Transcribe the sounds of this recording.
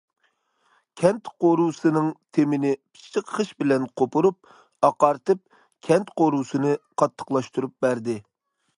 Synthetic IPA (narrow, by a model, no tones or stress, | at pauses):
kʲʰɛnt̪qoɾusɨnɨŋt̪ʰemɪnɪpʰi̥t͡ʃʰːəqχəʃbɪlɛnqʰopʰuɾup̚ | ɑqɑɾt̪ɨp̚ | kʲʰɛnt̪qoɾusɨnɨqʰɑt̪ʰːə̥qlˠɑʃt̪uɾup̚bæɾd̪ɪ